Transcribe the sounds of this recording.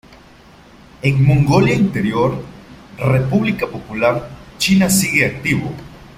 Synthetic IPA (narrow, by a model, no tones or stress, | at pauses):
eŋmõŋɡoljaint̪eɾjoɾrepuβlikapopulaɾt͡ʃinasiɣeak̚t̪iβo